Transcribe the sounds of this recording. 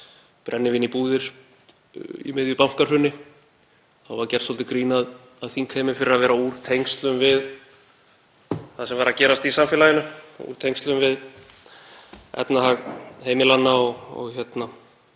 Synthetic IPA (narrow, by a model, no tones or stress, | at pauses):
pɾʔɛnːɪvɪnipuːðɪɾ̥ | ḭmɪðjʏpam̥kaɾ̥hʏnːɪ | θawvaɾcɛr̥sɔlt̪ɪkɾiːnað | aðθiŋkʰhejmʏfɪɾɪɾaðvɛːɾauːɾ̥t̪ʰejŋkst̪lʏmvɪð | θaðsɛmvaɾaðcɛːɾast̪isamfɪːlajɪnʏṵːɾ̥t̪ʰejŋkst̪lʏmvɪð | ɛ̰t̪nahaɣɦeːjmɪlanːaɔɣɔ̰ɣçɛt̪na